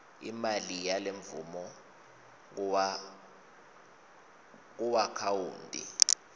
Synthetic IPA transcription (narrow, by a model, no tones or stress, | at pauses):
ḭmalijaleɱvumɔ | k̬wa | k̬uwakʰawuːndʱḭ